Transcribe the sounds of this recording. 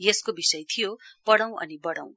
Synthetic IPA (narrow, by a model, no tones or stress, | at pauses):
jeskobisʌjt̪ʰijopʌɽaw̃ʔʌ̰nibʌɽa̰w̃